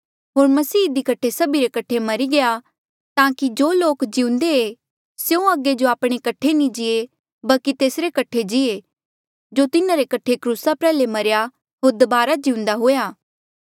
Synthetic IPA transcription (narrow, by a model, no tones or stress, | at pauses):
ɦoːɾmɐsiːɪd̪ikɐʈʰesɐbiɾekɐʈʰːemɐɾiɡɐja | t̪ãːkid͡ʒoːloːkd͡ʒɪʊ̃nd̪ee | seũɐɡed͡ʒoaːpɽ̃ekɐʈʰːenĩd͡ʒɪe | bɐlkit̪eːsɾekɐʈʰed͡ʒɪe | d͡ʒot̪ɪnãɾekɐʈʰekɾuːsapɾɛːlemɐɾja | ɦoːɾd̪ɐbaːɾad͡ʒɪʊ̃nd̪aɦojaː